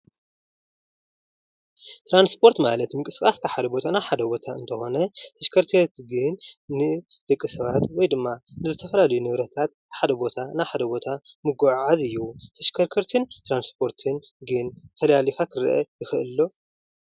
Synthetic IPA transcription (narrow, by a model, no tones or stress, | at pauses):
t̪ʰɾanspʰo̞ɾt̪malɐt̪mɨkʼɨskʼaskʰaħad̪ɐbo̞t̪ʰanaħad̪ɐbo̞t̪ʰaɨnt̪ʰɐxo̞nɐt̪ʰɐʃkʰɐɾt̪ʰet̪ɡɨnnɨd̪̥ɐkʼːɨsɐβat̪wɔjd̪ɨmːanɨzɨt̪ʰɐfɐlalɐjunɨβɾɐt̪ʰat̪̚ħad̪ɐbo̞t̪ʰanaħad̪ɐbo̞t̪ʰamɨɡuʕʕazɨjːut̪ʰɐʃkʰɐɾkʰɐɾt̪ʰɨnt̪ɾanspʰo̞ɾt̪ʰɨnɡɨnfɐlalifakʰɨɾʔɐ̰jɪxɨʔɨlːo̞